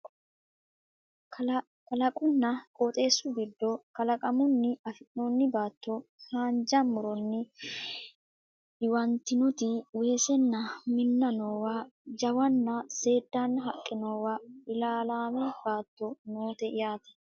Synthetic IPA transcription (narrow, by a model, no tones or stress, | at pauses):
kɐlɐkʼʊnːɐkʼoːt̪ʼe̞ːsːʊɡɪd̪ːɔkɐlɐkʼɐmʊnːɪɐfɪnnonːɪbaːt̪ːɔhaːnd͡ʒɐmːʊɾɔnːɪ | ɪwɐnt̪ːɪnɔt̪ɪwe̞ːsɛnːɐmɪnːɐnoːwad͡ʒɐwɐnːɐse̞ːd̪ːanːɐɦɐkʼːɪnoːwaːɪlaːlaːmɛb̥aːt̪ːɔnoːt̪ɛʔɪjaːt̪ɐ̥